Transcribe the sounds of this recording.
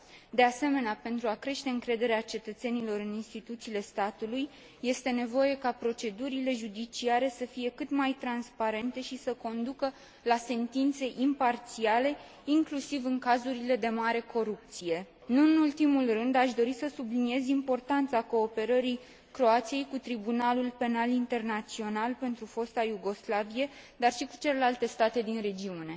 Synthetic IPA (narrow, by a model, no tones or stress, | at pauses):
d̪e̞ase̞me̞neape̞nt̪ɾuakɾe̞ʃt̪e̞ɨŋkɾe̞d̪e̞ɾeat͡ʃe̞t̪ət̪se̞nilo̞ɾɨninst̪it̪ut̪siːle̞st̪at̪ulujː | e̞st̪e̞ne̞vo̞je̞kapɾo̞t͡ʃe̞d̪uɾile̞ʒud̪it͡ʃiaɾe̞səfije̞kɨt̪majt̪ɾanspaɾe̞nt̪e̞ʃisəko̞nd̪ukə | lase̞nt̪int̪se̞ʔimpart̪siale̞ | iŋklusivɨŋkazuɾile̞d̪e̞maɾe̞kʰo̞ɾup̚t̪sije̞ | nuɨnult̪imulrɨnd̪aʃd̪o̞ɾisəsublinie̞zimpo̞rt̪ant̪sako̞ːpe̞ɾəɾi | kɾo̞at̪sije̞jkut̪ɾibunalulpe̞nalint̪e̞rnat̪sio̞nalpe̞nt̪ɾufost̪ajuɡo̞slavije̞ | d̪arʃikut͡ʃe̞le̞lalt̪e̞st̪at̪e̞d̪inre̞d͡ʒiune̞